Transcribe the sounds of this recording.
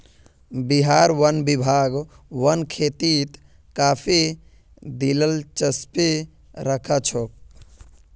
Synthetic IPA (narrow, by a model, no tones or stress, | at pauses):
biɦaɾwənbibʱaɡ | wənkʰet̪it̪ | kapʰi | d̪iləlt͡ʃəspe | ɾəkʰət͡ʃʰok̚